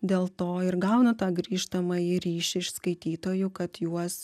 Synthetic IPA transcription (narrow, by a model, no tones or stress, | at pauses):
d̪ʲeːlˠt̪oːɪɾɡɐʊnɐt̪ɑːɡɾʲiːʃt̪ɐmɐjɪɾʲiːʃʲɪɪʃskɐɪt̪ʲiːt̪oːjʊkɐt̪juɔs